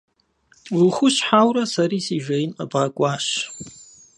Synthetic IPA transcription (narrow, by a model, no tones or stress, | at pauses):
lχʷʊʃħawɾasaɾisiʒʷejnabʁakʷʼaʃ